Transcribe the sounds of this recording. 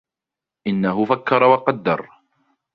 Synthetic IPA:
ʔɪnːaɦʊfakːɑɾˤɑwɑqɑd̪ːɑ̰ɾˤ

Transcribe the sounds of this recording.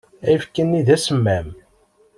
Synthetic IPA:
æjfkːənːiðæsəmːæm

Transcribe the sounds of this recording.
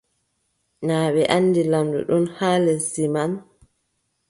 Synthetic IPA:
naːɓɛʔanːdilamdṵɗɔnhaːlɛsiman

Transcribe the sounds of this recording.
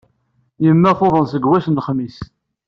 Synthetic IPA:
jəmːæθoðˤənsəɡwæsnəχmis

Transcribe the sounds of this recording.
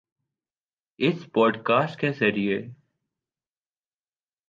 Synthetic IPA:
ɪspɔːɖkaːsʈkeːseːɾieː

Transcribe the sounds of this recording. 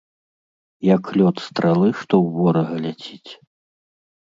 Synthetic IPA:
jɐkːlʲɔt̪st̪ɾalˠɨʂt̪ɔwvɔɾɐɣɐlʲat͡sʲit͡sʲ

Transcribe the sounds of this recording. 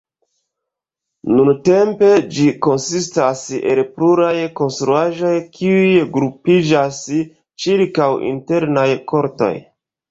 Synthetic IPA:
nunte̞mpe̞d͡ʒiko̞nsistase̞̰lpluɾajko̞nstɾuaʒo̞jkʰiujɡɾupid͡ʒas | t͡ʃiɾkawḭnte̞ɾnajko̞ɾto̞̰j

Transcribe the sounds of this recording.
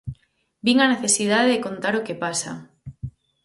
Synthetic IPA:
biŋaneθesið̞aðeðekont̪aɾokepasa̰

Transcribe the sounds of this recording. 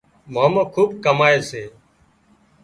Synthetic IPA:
mãːmãːkʰuːb̚kəmaːeːseː

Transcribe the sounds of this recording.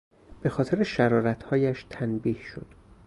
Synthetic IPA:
b̥e̞xɒːt̪ʰe̞ɾeʃæɾɒːɾæt̪ʰhɒːjæʃt̪ʰænbiːhʃo̰d̪̥

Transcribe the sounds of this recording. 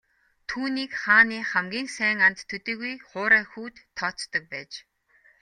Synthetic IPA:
t̪ʰuːniːkχaːniːχæmɡʲiːŋsæːŋant̪ʰːɵt̪iːɣujχʊːɾæːxuːt̪ʰːɔːt͡st̪ɞ̆k̚pæːt͡ɕ

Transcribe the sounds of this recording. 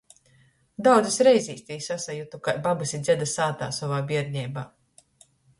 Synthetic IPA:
d̪awd̪zisɾɛjziːst̪ʲiːsasajut̪ukajbabasid̪zʲɛd̪asaːt̪a̰ːsɔvaːbʲiɛɾɲʲɛjbaː

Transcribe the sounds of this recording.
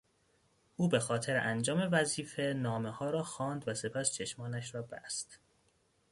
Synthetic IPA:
ʔuːbe̞xɒːt̪ʰe̞ɾeʔænd͡ʒɒːme̞væziːfe̞nɒːmehɒːɾɒːxɒːnd̪væse̞pʰæst͡ʃʰe̞ʃmɒːnæʃɾɒːbæ̰st̪

